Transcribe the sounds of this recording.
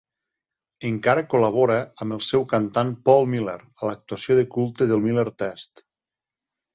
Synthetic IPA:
eŋkaɾəkoləβ̞oɾəːməlˠsɛwkant̪anpɔlˠmileɾələk̚t̪uasijoðekulˠt̪eðəlˠmileɾt̪ɛst̪

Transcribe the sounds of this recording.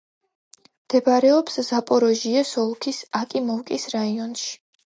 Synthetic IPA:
md̪̥ɛpaɾɛɔpszapʼɔɾɔʒiasɔlˠkʰisakʼimɔwkʼisɾaiɔnʃi̥

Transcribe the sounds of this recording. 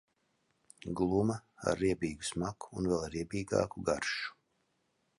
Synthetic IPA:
ɡlˠumɐa̰ɾːiɛbiːɡusmaku̥ːnvɛlˠɾiɛbiːɡa̰ːkuɡaɾʃu̥

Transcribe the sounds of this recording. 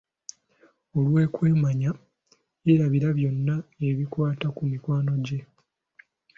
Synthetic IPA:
o̞lwe̞ːkwe̞ːmaɲa | eɾaβiɾaβjo̞nːae̞βikwaːtakumikwaːno̞ɟe̞

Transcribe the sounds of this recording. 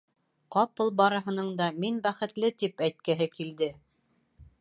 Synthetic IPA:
qɑpɤlˠbɑɾɤ̆ɦɤ̆nɤɴd̪ɑminbæχɘ̆t̪lɘt̪ipæjt̪̚kɘɦɘkild̪ɘ

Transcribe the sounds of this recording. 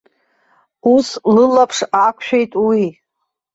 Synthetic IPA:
uslɨlapʰʂakʷʰʃᶣe̞jtʼwi

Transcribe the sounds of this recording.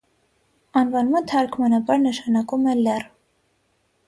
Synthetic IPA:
ɑnvɑnmɑt̪ʰɑɾkʰmɑnɑbɑɾnəʃɑnɑkumɛlɛr

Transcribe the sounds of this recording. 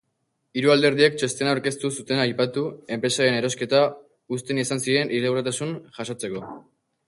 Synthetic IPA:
iɾuald̪e̞ɾð̞iekt͡ʃe̞st̪e̞naoɾke̞st̪usut̪e̞najpat̪ue̞mpɾe̞saɾe̞ne̞ɾo̞ske̞t̪a | ust̪e̞nisansiɾe̞nʔiɾeɣuɾat̪asunʝasot͡se̞ko̞

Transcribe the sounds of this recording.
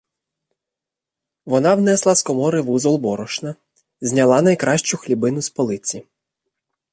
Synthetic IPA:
ʋɔnɑwnɛslˠɑskɔmɔɾɪʋuzɔlˠbɔɾɔʃnɐ | zʲnʲɐlˠɑnɐjkɾʔɑʃt͡ʃʊxlʲibɪnʊspɔlˠɪt͡sʲi

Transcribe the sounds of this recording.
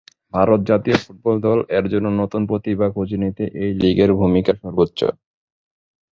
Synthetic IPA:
bʱaɾot̪̚d͡ʑat̪iofuʈ̚bɔld̪ɔlɛkd͡ʑonːonot̪unpɾot̪ibakʰod͡ʑinit̪eʔejliɡeɾbʱumikaʃɔɾbotːɕo̰

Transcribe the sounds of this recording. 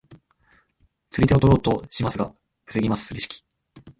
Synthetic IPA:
t͡sɨɾit̪e̞ot̪oɾo̞ːt̪o̞ɕimasɨɡa | ɸɯ̟sɨɡʲimasɨ̥ɾʲiɕi̥kʲi̥

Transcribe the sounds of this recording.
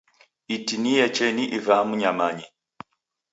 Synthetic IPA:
itinijɛt͡ʃɛniʔivamuɲamaɲɛ

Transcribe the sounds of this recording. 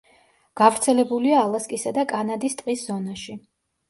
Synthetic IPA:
ɡ̥avɾt̪sʰɛlɛbuliaːlˠaskʼisad̪akʼanad̪ist̪ʼqʼiszɔnaʃi

